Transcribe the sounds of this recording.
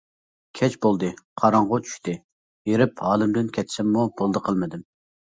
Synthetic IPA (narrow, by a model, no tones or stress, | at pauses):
kʲʰɛt͡ʃbolˠd̪ɨqʰɑɾɑŋʁot͡ʃʰy̥ʃt̪ɪ | jeɾɪphɑːlɨmd̪ɪnkʲʰɛt̪sɪmːubolˠd̪əqʰəlˠmɨd̪ɪm